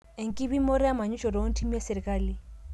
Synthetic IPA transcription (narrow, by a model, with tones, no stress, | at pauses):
e˨ŋ̩˨kʼi˦bi˦mo˦ɾi˦a˦ma˨ɲu˦t͡ʃʼɔ˨dɔ˨o˦n̩˦tʰi˦m˦ja˦sɪ˨ɾɛ˨kʼaː˦li˦